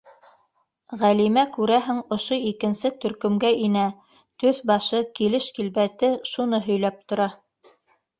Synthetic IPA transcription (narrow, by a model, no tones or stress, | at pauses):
ʁælimækʉɾæɦɘŋŏʃoikɘ̆nsɘt̪ɵ̆ɾkɵ̆mɡæʔinæ | t̪ɵθbɑʃɤkilɘʃkilβæt̪ɘʃunɤɦɵ̆jlæp̚t̪ŏɾɑ